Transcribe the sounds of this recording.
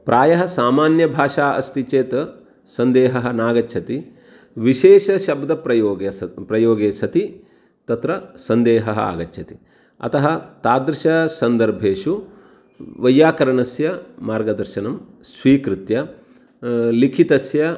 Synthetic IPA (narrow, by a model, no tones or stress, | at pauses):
pɾʔaːjɐɦɐsaːmaːnjɐbʱaːʃaːʔɐ̰st̪it͡ʃeːt̪ɐ | sɐnd̪eːɦɐɦɐ̆naːɡɐtːʃʰɐt̪i | ʋiʃeːʃɐʃɐbd̪ɐpɾɐjoːɡɐpɾɐjoːɡeːsɐt̪i | t̪ɐt̪ɾɐsɐnd̪eːɦɐɦɐ̰a̰ːɡɐtːʰɐt̪i̥ | ɐ̰t̪ɐɦɐt̪aːd̪ɾɪʃɐsɐnd̪ɐɾbʱeːʃu | ʋɐjːaːkɐɾɐɳɐsjɐmaːɾɡɐd̪ɐɾʃɐnɐmsʋiːkɾɪt̪jɐ | likʰit̪ɐsjɐ